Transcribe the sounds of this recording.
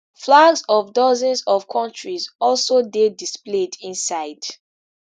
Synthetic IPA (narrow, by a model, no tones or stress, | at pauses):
flaɡzɔvdɔzɔ̃nzɔvkʰɔ̃ntɹizɔlsodedispledĩnsaɪd̥